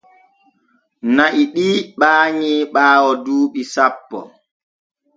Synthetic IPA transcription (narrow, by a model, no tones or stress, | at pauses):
naʔiɗiːɓaːɲiːɓaːwɔduːɓisapːɔ̰